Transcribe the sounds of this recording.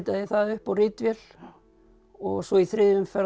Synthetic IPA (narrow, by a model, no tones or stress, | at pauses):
t̪aðɪθaðʏhpawrɪt̪vjɛl | ɔɣsɔiθɾɪːðvʏmfɛ